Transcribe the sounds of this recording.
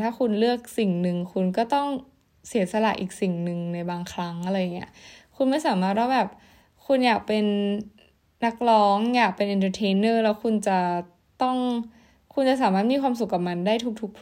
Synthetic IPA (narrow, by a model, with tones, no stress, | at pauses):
t̪ʰaː˥˩kʰu˧nlɯ˥˩ək̚si˨˩ŋnɯ˨˧ŋkʰu˧nkɔː˥˩t̪ɔ˥˩ŋ | si˨˩˦ɐsa˧la˨˩ʔiː˨˩k̚si˨˩ŋnɯ˨˩ŋna˧jbaː˧ŋkʰɾa˦˥ŋʔa˧˩ɾa˧jŋːi˦˥ɐʔkʰu˧nma˥˩jsaː˩˦maː˥˩t̪̚waː˥˩bɛː˨˩p̚ | kʰu˧njaː˨˩k̚pe˧nː | a˦˥k̚lɔː˦˥ŋjaː˨˩k̚pe˧nʔi˧nt̪ʰa˧t̪ʰeː˧˦nɤː˥˩lɛː˦˥wkʰu˧nt͡ɕa˨˩ | t̪ɔ˥˩ŋ | kʰu˧nt͡ɕa˨˩ʔsaː˩˦maː˥˩mi˧xwaː˧ms̬u˨˩kːa˨˩p̚ma˧ndaː˥˩jt̪ʰu˦˥k̚t̪ʰu˦˥k̚ʰ